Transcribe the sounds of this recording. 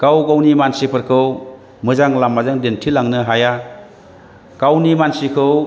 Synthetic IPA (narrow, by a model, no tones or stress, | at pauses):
ɡ̥awɡawnimansipʰɯɾkʰɯw | mɯzaŋlamːazɯŋdentʰilaŋnɯɦaja | ɡ̥awnimansikʰɯw